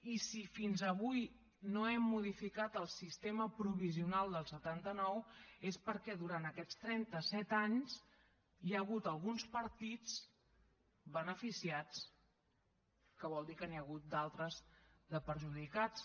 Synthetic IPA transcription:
isifinzəβuj | noɛmːuð̞ifikat̪əlˠsist̪eməpɾuβiziunalˠd̪əlˠsət̪ant̪ənɔwespəɾkɛðuɾant̪əkɛt͡st̪ɾɛnt̪əsɛt̪aɲz | jaəɣut̪əlˠɣunspəɾt̪it͡s | βənəfisiat͡s | kəβɔlˠd̪ikəniəɣ̞ut̪̚d̪alˠt̪ɾəzd̪əpəɾʒuðikat͡s

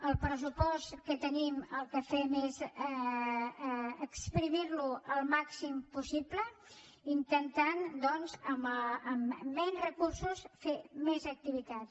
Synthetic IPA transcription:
əlˠpɾəs̬upɔst̪kət̪əniməlˠkəfemez | əkspɾimiɾluəlˠmaksimpusiplə | int̪ənt̪and̪ɔnzəməmːɛnzrəkursusfemezək̚t̪iβit̪at̪

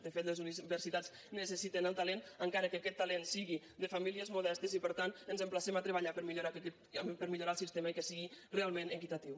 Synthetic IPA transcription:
d̪əfet̪ləzuiβəɾsit̪at͡s | nəsəsit̪enəlˠt̪alenəŋkaɾəkeakɛt̪ːalensiɣi | d̪əfamiliəzmuðɛst̪əzipəɾt̪anənzəmplasɛmat̪ɾeβaʎapəɾmiʎoɾak̪ | pəɾmiʎuɾalˠsist̪emekəsiɣirealˠmẽnekit̪at̪iw

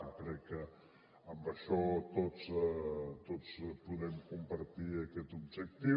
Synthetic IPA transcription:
kɾɛkːə | əmbəʃɔt̪ot͡s | t̪ot͡spuðɛmkumpəɾt̪iəkɛt̪ub̚ʒək̚t̪i

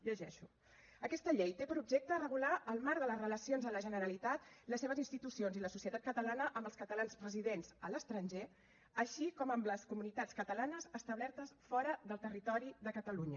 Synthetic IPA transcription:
ʎəʒɛʃu | əkɛst̪əʎejt̪epəɾubʒek̚t̪ərəɣulaʔəlˠmaɾðələzrələsionzðələʒənəɾəlit̪at̪ləsːeβ̞əzinst̪it̪usionziləsusijət̪at̪kət̪əlanəʔəmbəlˠskət̪əlanspɾəziðenzələst̪ɾənʲʒe | əʃikɔməmləskumunit̪at͡skət̪əlanəzəst̪əβlɛɾt̪əsfɔɾəðəlˠt̪ərit̪ɔɾiðəkət̪əluɲə

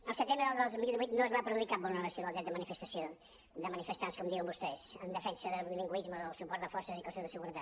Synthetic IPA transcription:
əlˠsət̪embɾəðəlˠd̪ozmilˠd̪iβuijt̪nozβapɾəðuikap̚bɔnənəsionalˠd̪ɾɛt̪əmənifəst̪əsio | d̪əmənifəst̪anskɔmd̪iwəmbust̪ɛzənd̪əfɛnsəðəiliŋɡuizməðəlˠsupɔɾt̪d̪əfɔɾsəzikwəseðəsəɣuɾət̪at̪

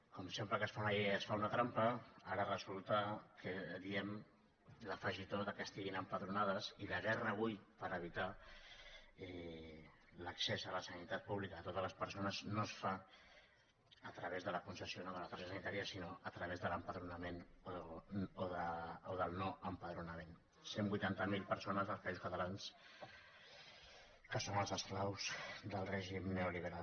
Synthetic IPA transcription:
kɔmsempɾəkəsfanaiəsfaunət̪ɾampəaɾərəzulˠt̪akʰəðiɛm | ləfəʒit̪oðəkəst̪iɣinəmpəðɾunað̞əziləɣɛrəːβ̞ujpəɾəβ̞it̪a | ɛ | ləksezələsənit̪at̪̚puβlikəːt̪ot̪əzləspəɾsonəznosfa | ət̪ɾəβezðələkunsəsionoðələt̪aʃəsənit̪aɾiəsinoʔət̪ɾəβezðələmpəðɾunəmen | oðəoðəlˠnoəmpəðɾunəmen | sembujt̪ant̪əmilˠpəɾsonəzðəlˠspaizu̥skət̪əlans | kəsonəlˠzəsklawzd̪əlˠrɛʒimneoliβ̞əɾal

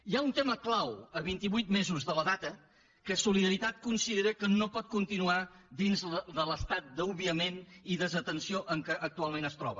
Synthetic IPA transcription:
iaunt̪eməklawəβ̞int̪iβujt̪̚mezuzðələðat̪ə | kəsuliðəɾit̪at̪̚kunsiðeɾəkənopɔt̪̚kunt̪inua | d̪inzðələst̪at̪̚d̪əuβiəmeniðəzət̪ənsioʔəŋkəʔək̚t̪ualˠmenəst̪ɾɔ̰βə

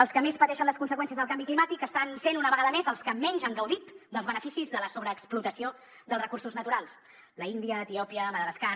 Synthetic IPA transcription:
əlˠskəmespət̪ɛʃənləskunsəkwɛnsiəzðəlˠkambiklimat̪ikəst̪ansenunəβəɣaðəmezəlˠskəmɛɲʲʒaŋɡəwðit̪d̪əlzβənəfisizðələsoβɾəːksplut̪əsio | d̪əlˠsrəkursuznət̪uɾalˠs | ləind̪iəːt̪iɔpiəməðəβəska

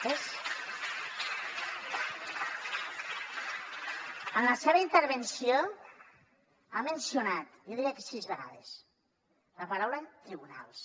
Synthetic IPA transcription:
es | ənləseβ̞əint̪əɾβensio | amensionat̪joðiɾiəkesizβeɣa̰ðes | ləpaɾawlət̪ɾiβuna̰lˠs

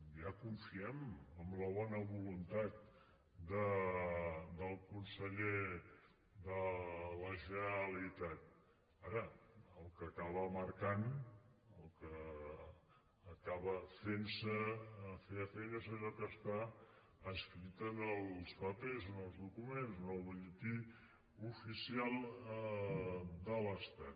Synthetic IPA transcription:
jakuɱfiɛməmləβ̞ɔnəβulunt̪at̪̚ | d̪ə | d̪əlˠkunsəʎe | ðələʒəəlit̪at̪̚ | aɾəəlˠkəːkaβəməɾkan | əlˠkə | kaβəfensəfeəfeʎəzəʎɔkəst̪a | əskɾit̪ənəlˠspəpezonəlˠzðukumenznəlβəʎət̪i | ufisialˠ | d̪ələst̪at̪

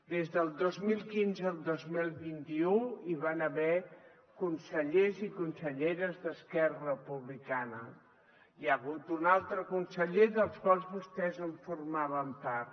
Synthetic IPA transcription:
d̪ezðəlˠd̪ozmilˠkinzəːlˠd̪ozmilˠβint̪iuiβanəβɛ | kunsəʎezikunsəʎeɾəzðəskɛrərəpuβlikanə | jəɣut̪unalˠt̪ɾəkunsəʎeðəlˠskwalˠzβust̪ɛzəɱfurmaβ̞əmpaɾt̪

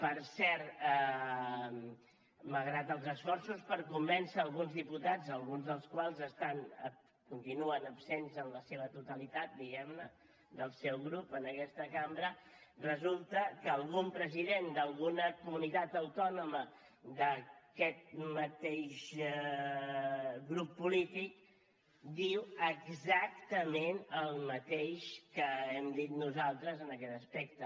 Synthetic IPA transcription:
pəɾsɛɾt̪ɛ | məlɣɾat̪əlˠzəsfɔrsuspəɾkumbɛnsəːlˠɣunzðiput̪ad͡zəlˠɣunzðəlˠskwalˠzəst̪anə | kunt̪inuənəpsenzənləseβət̪ut̪əlit̪at̪̚d̪iɣɛmnə | d̪əlˠsewɣɾupənəkɛst̪əkambɾərəzulˠt̪əkəːlˠɣumpɾəziðend̪əlˠɣunəkumunit̪at̪əwt̪ɔnumə | d̪əkɛt̪̚mət̪eʃ | ɣɾupːulit̪ik̚ | d̪iwəɡzakt̪əmenəlˠmət̪eʃkəɛmd̪it̪nuzalˠt̪ɾəzənəkɛt̪əspekt̪ə

